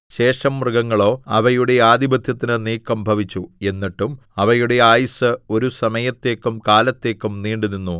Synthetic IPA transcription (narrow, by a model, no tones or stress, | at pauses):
ɕe̞ːʂɐmːrɨɡɐŋːɐɭo̞ːɐʋɐjuɽe̞aːd̪ibɐd̪ʱjɐt̪ːinɨniːkːɐmbʱɐʋit͡ɕːue̞nːiʈːum | ɐʋɐjuɽe̞aːjisɨo̞ɾusɐmɐjɐt̪ːe̞ːkːumkaːlɐt̪ːe̞ːkːumniːɳɖuninːu